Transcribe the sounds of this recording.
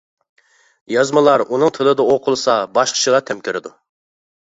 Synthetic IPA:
jɑzmɨlˠɑɾunɨŋt̪ʰɨlˠɨd̪ɑoqʰʊlˠsɑbɑʃqʰə̥t͡ʃʰilˠɑt̪ʰɛmkʲɪɾɪd̪u

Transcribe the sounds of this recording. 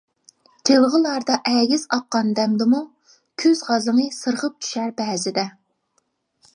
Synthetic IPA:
tʲʰelˠʁəlˠɑɾd̪ɑʔɛɡʲɪzɑqːɑnd̪ɛmd̪ɨmu | kʲʰøzʁɑzɨŋɨsɨɾʁəp̚t͡ʃʰy̥ʃæɾbɛːzɪd̪ɛ

